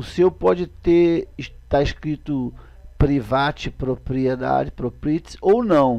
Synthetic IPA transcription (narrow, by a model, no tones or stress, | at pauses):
ʊsewpɔd͡ʒɪt̪et̪aɪʃkɾit̪ʊ | pɾivat͡ʃɪpɾopɾied̪a̰d͡ʒɪpɾopɾit͡ʃsownɐ̃w̃